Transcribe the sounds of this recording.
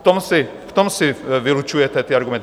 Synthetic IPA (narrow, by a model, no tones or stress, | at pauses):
t̪ɔmsi | ft̪ɔmsiʋilut͡ʃujɛt̪ɛt̪iːaɾɡumɛn